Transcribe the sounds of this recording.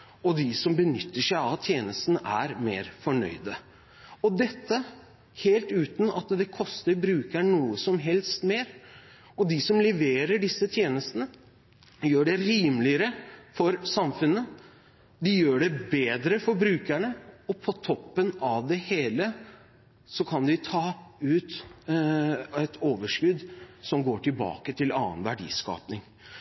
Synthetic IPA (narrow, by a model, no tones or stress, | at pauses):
ɔd̪ɪsɔmbənʏt̪ːəʂæɪɑt̪ʰjeːnəst̪nʔæ̰ɾmḛːɾfɔɳœ̰ʏd̪ə | ɔd̪ɛt̪ːə | heːlt̪ʉːt̪nɑt̪d̪ɛkʰɔst̪əɾbɾʉːkæɳuːəsɔmɦɛlst̪meːɾ | ɔd̪ɪsɔmlɛʋeːɾəɖɪsːət̪ʰjeːnəst̪ənə | jøːɖɛɾiːmlɪəɾəfɔɾsɑmfʉnːə | d̪ɪjøːɖɛbeːd̪ɾəfɔɾbɾʉːkæɳəɔpʰɔt̪ʰɔpːənɑʋd̪ɛheːlə | sɔkʰɑnd̪ɪt̪ʰɑːʉːt̪ | ɛt̪ʰoːʋəʂkʉd̪sɔmɡoːʈɪlbɑ̰ːkət̪ʰɪlɑ̰ːənʋæɖḭːskɑ̰ːpnɪŋ